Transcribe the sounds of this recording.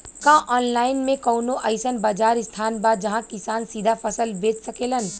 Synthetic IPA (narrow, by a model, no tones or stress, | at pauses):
kãʔɔːnlaːɪnmẽkəːnoʔɐɪsənbaːd͡ʒaːɾɪst̪ʰaːnbaːd͡ʒɐɦãkɪsaːnsiːd̪ʱafʰəsəlbeːt͡ʃsɐkeːlən